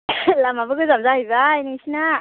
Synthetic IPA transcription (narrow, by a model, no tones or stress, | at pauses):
lamabɯkɯzamzahajbajnisina